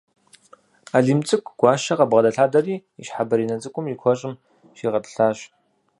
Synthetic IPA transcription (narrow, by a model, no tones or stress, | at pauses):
aːɮiːmt͡sʼɨkʷʰʼɡ̥ʷɑːʃɐqɐbʁɐdɐɬaːdɐriːiɕħabɐɾiːnɐt͡sʼɨkʷʼʊmjikʷʰɔɕʼɪm | ʃiːʁɐpɬaːɕ